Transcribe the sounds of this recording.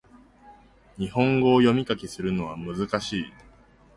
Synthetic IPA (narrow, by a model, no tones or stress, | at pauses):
ɲ̟ihõ̞ŋɡo̞ːjo̞mʲikakʲisɨɾɯ̟no̞β̞a̰mɯ̟zɨkaɕiː